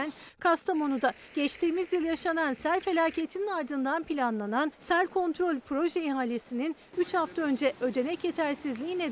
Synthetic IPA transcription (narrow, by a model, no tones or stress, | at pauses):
n | kʰast̪ʰamo̞nud̪a | ɟ̥ɛt͡ʃt̪ʰiːmizjɯlˠjaʃanansæɾʲfe̞lʲaːcʰe̞t̪ʰininaɾd̪ɯnd̪anpilʲanlˠanansælʲkʰo̞nt̪ɾo̞lʲpʰɾo̞ʒɛiɦaːlʲesinin | yt͡ʃhaft̪ʰaønd͡ʒɛʔø̞d̪e̞nɛcjet̪ʰæɾsizlʲiːne